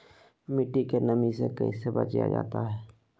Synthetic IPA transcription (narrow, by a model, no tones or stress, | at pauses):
mɪʈikenəmisḛkəḭ̃sebə̰t͡ʃja̰d͡ʒa̰ːt̪aɦɛː